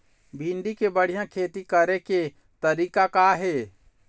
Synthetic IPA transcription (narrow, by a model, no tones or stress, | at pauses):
bʱĩɳɖikebəɽ̤ijãkʰeːt̪ikəɾeke | t̪əɾiːkakaɦeː